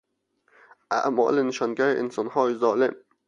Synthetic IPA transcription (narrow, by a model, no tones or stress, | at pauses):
ʔa̰ʔmɒ̰ːlɪnɪʃɒnɡaɾiʔɪnsɒnhɒːjzɒːlɪm